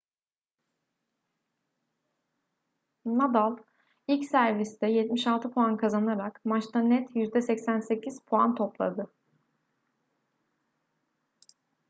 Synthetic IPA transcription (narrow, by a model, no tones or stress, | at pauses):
mad̪alˠ | ilʲcsæɾvist̪ɛjɛt̪miʃalˠt̪ʰɯpʰoankʰazanaɾakmat͡ʃt̪ʰanɛt̪jyzd̪ɛsɛcsænse̞cʰiz̥pʰoant̪ʰo̞plˠa̰d̪ɯ